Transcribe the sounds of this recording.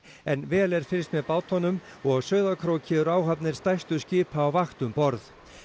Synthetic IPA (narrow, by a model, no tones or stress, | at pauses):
ɛnvɛːlɛɾ̥fɪlst̪mɛðpaːwt̪hɔnʏm | ɔɣsœːɥðakʰɾoːcʰɪʏɾaːwɦapnɪɾ̥st̪ajst̪ʏ̥scɪːpʰaːwvaxt̪ʏmpɔɾð